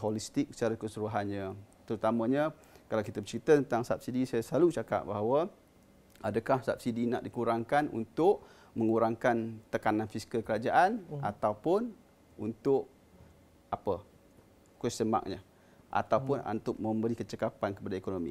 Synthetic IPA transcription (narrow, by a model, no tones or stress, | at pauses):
ɦolist̪ɪk̚sə̥t͡ʃaɾakəsuɾuɦanɲat̪əɾut̪amãɲa | kalawkit̪əbət͡ʃəɾit̪ət̪ənt̪aŋsap̚sidisajasəlalut͡ʃaka̰ʔbaɦawə | adəkahsap̚sidina̰ʔdikuɾaŋkanṵnt̪ʊʔ | məŋuɾaŋkant̪əkanãnfiskəlkəɾad͡ʒaʔana̰t̪awpʊn | unt̪ʊʔ | apə | kuɛsəma̰k̚ɲa | ʔa̰t̪awpʊna̰nt̪ʊʔmə̃mbəɾikət͡ʃəkapankəpadaekonomḭ